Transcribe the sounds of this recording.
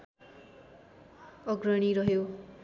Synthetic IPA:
ʌɡrʌɽ̃iɾʌɦo

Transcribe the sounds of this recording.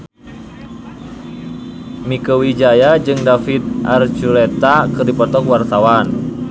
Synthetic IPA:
mikəwid͡ʒajad͡ʒɨŋdafit̪̚ʔart͡ʃulɛt̪akɨrdipɔt̪ɔkwart̪awan

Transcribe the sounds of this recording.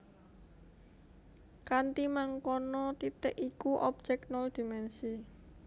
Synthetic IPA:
kant̪imaŋkɔnɔt̪it̪ɛʔikuʔɔb̥̚d͡ʒ̥ɛk̚nɔld̪̥imɛnsi

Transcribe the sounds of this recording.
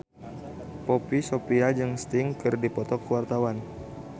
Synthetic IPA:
popisopiad͡ʒɨŋst̪iŋkɨrdipɔt̪ɔkəwart̪awan

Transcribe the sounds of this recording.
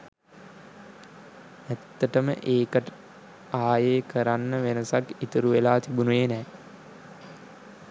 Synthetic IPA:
æt̪ːəʈəmə̰ʔeːkəʈə | aːjeːkʰəɾanːəʋenəsakit̪əɾuʋelaːt̪ibunuʋeːnɛː

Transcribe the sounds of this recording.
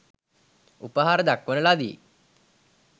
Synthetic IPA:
upəɦaɾəd̪akːʋənəlad̪ḭ

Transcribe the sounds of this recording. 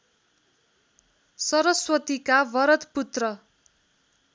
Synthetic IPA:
sʌɾʌswʌt̪ikabʌɾʌt̪put̪rʌ

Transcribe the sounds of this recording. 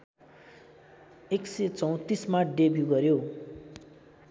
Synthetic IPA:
ekset͡sʌw̃t̪ismaɖebuɡʌɾjo

